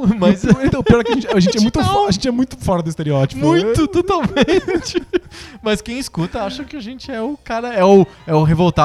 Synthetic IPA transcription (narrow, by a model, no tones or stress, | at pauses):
mɐzẽt̪ɐ̃w̃piɔɾɛkɪɐʒẽnt͡ʃɪaʒẽt͡ʃɪɛmũj̃t̪aʒẽnt͡ʃɪɛmũj̃t̪ʊ̥fɔɾɐd̪ʊist̪eɾiɔt͡ʃimpʊũj̃t̪ʊt̪ot̪awmẽt͡ʃɪmɐskẽj̃ɪskut̪ɐaʃɐ̃kɪaʒẽnt͡ʃɪɛʊkaɾɐɛʊ | ɛʊɦevowt̪a